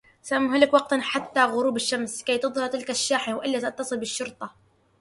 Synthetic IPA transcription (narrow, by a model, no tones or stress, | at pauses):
samːhʊlakwɑq̚t̪anħat̪ːaɣʊɾuːbɪʃːamskajt̪ɨðˤhɑɾˤt̪ɪlkaʃːaːħɪwʔɪlːat̪ɑt̪ːɑsˤɨlbɪʃːʊɾt̪ˤɑ